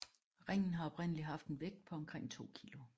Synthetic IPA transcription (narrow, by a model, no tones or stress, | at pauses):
ʁɛŋ̰n̩ɦɑ̈ɒ̽b̥ʁen̰əliɦɑ̈fd̥enʋeɡ̥̚d̥̚pʰɒ̽ɒ̽mkʰʁeŋ̰t͡sʰo̝̰ːkʰilo